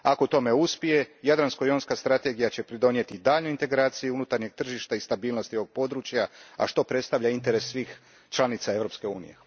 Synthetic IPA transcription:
ako̞t̪o̞me̞uspije̞jad̪ɾanskojonskast̪ɾat̪eɡijat͡ɕe̞pɾid̪o̞nje̞t̪id̪aːʎnoint̪e̞ɡɾaːt̪sijiunut̪aɾɲe̞ɡ̚t̪r̩ʒiʃt̪aist̪abiːlno̞st̪io̞ʋo̞ɡ̥̚po̞d̪ɾuːt͡ɕjaa̰ʃt̪o̞pɾe̞t̪st̪aʋʎaint̪e̞ɾesːʋiːx | t͡ʃlˠanit̪sae̞ʋɾo̞pske̞ṵːnḭje̞̰

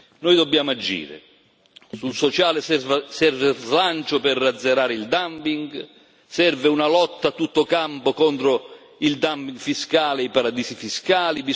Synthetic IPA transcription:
nojd̪ɔbːjaːmʊad͡ʒːḭːɾɪ̰ | sulsɔt͡ʃaːlɪvsɛrvezlant͡ʃʊpɪrːad̪zːeɾaːɾɪild̪ampiŋɡ | sɛrvɪunalɔt̪ːat̪ːut̪ːokampokɔnt̪ɾo | ild̪ampiŋɡfiskaːlɪipaɾad̪iːsifiskaːlibi

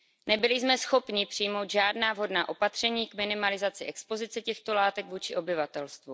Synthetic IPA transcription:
nɛbɪlɪzmɛsxo̞pɲɪpr̝̥ɪjmo̞wd̪ʒaːdnaːvɦo̞dnaːʔo̞pat̪r̝̥ɛɲiːkmɪnɪmalɪzat͡sɪʔɛkspo̞zɪt͡sɛcɛxt̪o̞laːt̪ɛɡvuːt͡ʃɪʔo̞bɪvat̪ɛlst̪vu

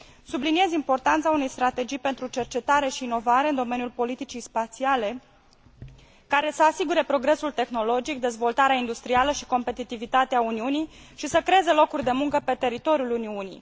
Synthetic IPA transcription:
sublinie̞zimpo̞rt̪ant̪saune̞jst̪ɾat̪e̞d͡ʒijpe̞nt̪ɾut͡ʃe̞rt͡ʃe̞t̪aɾe̞ʃiːno̞vaɾe̞ɨnd̪o̞me̞nijulpo̞lit̪it͡ʃijspat̪siale̞ | kaɾe̞səasiɡuɾe̞pɾo̞ɡɾe̞sult̪e̞xno̞lo̞d͡ʒik̚d̪e̞zvo̞lt̪aɾeaind̪ust̪ɾialəʃi̥ko̞mpe̞t̪it̪ivit̪at̪eauniunij | ʃisəkɾeeze̞lo̞kurʲd̪e̞muŋkəpe̞t̪e̞ɾit̪o̞ɾjuluniunḭj

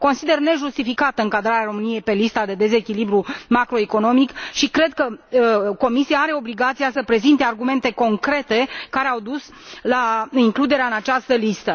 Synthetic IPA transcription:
ko̞nsid̪e̞rne̞ʒust̪ifikat̪əɨŋkad̪ɾaɾeaɾo̞mɨnije̞jpe̞list̪ad̪e̞d̪e̞ze̞kʲilibɾumakɾo̞eko̞no̞mikʃikɾe̞d̪̚kəko̞misijaaɾe̞o̞bliɡat̪sijasəpɾe̞zint̪e̞arɡume̞nt̪e̞ko̞ŋkɾe̞t̪e̞kaɾeawd̪us | laiŋklud̪e̞ɾeaɨnat͡ʃast̪əlist̪ə

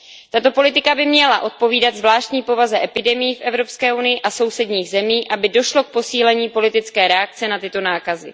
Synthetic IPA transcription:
t̪at̪o̞po̞lɪt̪ɪkabɪmɲɛlaʔo̞t̪̚po̞viːdad̪zvlaːʃt̪ɲiːpo̞vazɛʔɛpɪdɛmɪjifʔɛvɾo̞pskɛːʔunɪjɪʔaso̞wsɛdɲiːɣzɛmiːʔabɪdo̞ʃlo̞k̚po̞siːlɛɲiːpo̞lɪt̪ɪt͡skɛːɾɛak̚t͡sɛnat̪ɪt̪o̞naːkazɪ̰

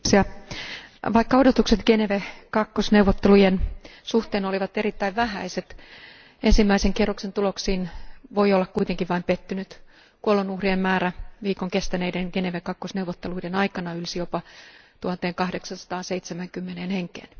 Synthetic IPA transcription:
sjɑ | ʋɑikːɑodot̪ukset̪ɡ̥eneʋekɑkːosnewʋot̪ːelujensuht̪eːnoliʋɑt̪eɾit̪ːæiʋʋæhæ̰iset̪ | ensimːæiseŋkierːuksent̪uloksiːnʋoiolːɑkkuit̪eŋkiʋʋɑimpet̪ːynyt̪ | kuolenuhriemmæːɾæʋiːkoŋkest̪æneideŋɡ̥eneʋekɑkːosneuwʋot̪ːeluidenɑikɑnɑylsijopɑt̪uhɑt̪ːˑeːŋkɑhdeksɑnsɑ̥t̪ɑːseit̪semæŋkymːeneːnheŋkḛːn

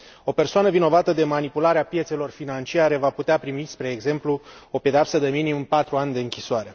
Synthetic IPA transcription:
o̞pe̞rsoanəvino̞vat̪əd̪e̞manipulaɾeapje̞t̪se̞lo̞rfinant͡ʃiaɾe̞vaput̪eapɾimispɾe̞ːɡze̞mpluo̞pe̞d̪eapsəd̪e̞minimɨmpat̪ɾuanʲd̪e̞ɨŋkʲisoaɾe̞

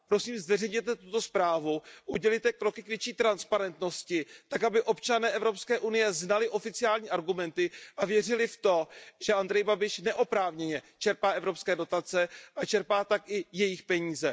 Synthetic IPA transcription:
pɾo̞siːmzvɛrɛjɲɛt̪ɛt̪ut̪o̞spɾaːvuʔuɟɛlijt̪ɛkɾo̞kɪkvjɛt͡ʃiːt̪ɾanspaɾɛnt̪no̞scɪt̪akabɪʔo̞pt͡ʃanɛːʔɛvɾo̞pskɛːʔunɪjɛznalɪʔo̞fɪt͡sɪaːlɲiːʔaɾɡumɛnt̪ɪʔavjɛrɪlɪft̪o̞ʒ̥ɛʔand̪ɾɛjbabɪʃnɛʔo̞pɾaːvɲɛɲɛt͡ʃɛɾpaːʔɛvɾo̞pskɛːdo̞t̪at͡sɛʔat͡ʃɛɾpaːt̪akʔɪjɛjɪxpɛɲiːzɛ

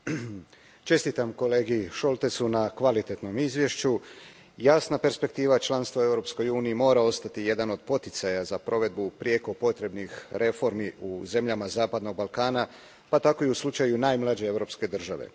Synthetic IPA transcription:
t͡ʃe̞st̪it̪amko̞le̞ːɡiʃolˠt̪esunakʋalit̪e̞t̪no̞mizʋje̞ʃt͡ɕu | jaːsnape̞ɾspe̞k̚t̪iːʋat͡ʃlˠanst̪ʋoe̞wɾo̞psko̞juːniimo̞ːɾao̞st̪at̪ije̞d̪ano̞d̪̚po̞t̪it̪sajazapɾʔo̞ʋe̞d̪̚bupɾijeko̞po̞t̪ɾe̞bnixɾe̞fo̞ɾmiuze̞mʎamazaːpad̪no̞ɡ̚balˠkaːna | pat̪ako̞iuslˠut͡ʃajunaːjmlad͡ʑe̞evɾo̞pske̞d̪r̩ʒaʋḛ

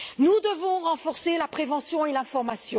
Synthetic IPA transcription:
nud̪əvɔ̃ʁɑ̃fɔʁselapχevɑ̃sjɔ̃elɛ̃fɔʁmasjɔ̃

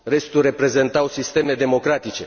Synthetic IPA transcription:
ɾe̞st̪ure̞pɾe̞ze̞nt̪awsist̪e̞me̞d̪e̞mo̞kɾat̪it͡ʃe̞

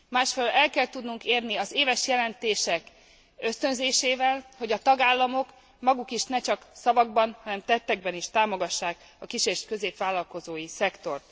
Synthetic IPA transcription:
maːʃfɛlølɛlkɛlt̪ud̪nuŋkeːrniɒzeːvɛʃjɛlɛnt̪eːʃɛk | ø̞st̪ø̞nzeːʃeːvɛlho̞ɟɒt̪ɒɡaːlːɒmo̞k | mɒɡukiʃnɛt͡ʃɒksɒvɒɡ̚bɒnhɒnɛmt̪ɛt̪ːɛɡ̚bɛniʃt̪aːmo̞ɡɒʃːaːk | ɒkiʃeːʃkø̞zeːpʋaːlːɒlko̞zoːjisɛkt̪o̞rt̪̚

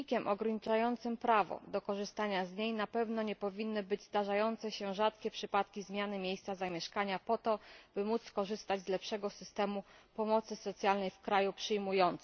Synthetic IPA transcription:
ikʲɛmʔɔɡɾaɲit͡ʂajɔnt̪sɘmpɾavɔ̰d̪ɔkɔʐɘst̪aɲazɲejnapɛvnɔɲɛpɔvʲinːɘbɘd͡ʑzd̪aʐajɔnt̪sɛɕɛʐat̪kʲɛpʂɘpat̪kʲizmʲjanɘmʲjejst̪sazamʲjɛʂkaɲapɔt̪ɔb̥ɘmut̪skɔʐɘst̪ad͡ʑzlɛpʂɛɡɔsɘst̪ɛmupɔmɔt̪sɘsɔt̪sʲjalnɛjfkɾajupʂɘjmujɔnt̪s

